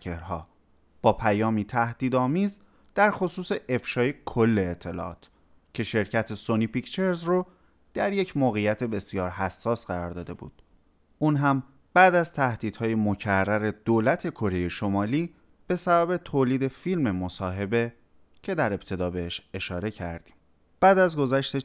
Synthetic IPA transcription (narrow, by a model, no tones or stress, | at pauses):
eɾɦɒː | b̥ɒːpʰæjɒːmiːt̪ʰæhd̪̥iːd̪ɒːmiːz | d̪̥æɾxosuːse̞ʔefʃɒːje̞kʰolːe̞ːt̪ʰːe̞lɒ̰ːɒ̰ːt̪ʰ | cʰe̞ʃe̞ɾcʰæt̪ʰe̞sonipict͡ʃe̞ɾzro | d̪̥æɾje̞cʰmoːɣejæt̪ʰe̞be̞sijɒːɾɦæsːɒːsɢæɾɒɾd̪ɒːd̪e̞bṵːd̪̥ | ʔuːnɦæm | b̥æːd̪æzt̪ʰæhd̪̥iːd̪̥hɒːje̞mocʰærːæɾe̞d̪̥oːlæt̪ʰe̞kʰo̞ɾe̞je̞ʃo̞mɒːliː | b̥e̞sæbæbe̞t̪ʰoːliːd̪e̞filme̞mo̞sɒːɦe̞be̞ | cʰe̞d̪æɾe̞b̚t̪ʰe̞d̪ɒːbeeʃe̞ʃɒːɾe̞cʰæ̰ɾd̪̥i̥ːm | b̥æːd̪æzɡo̞zæʃt̪e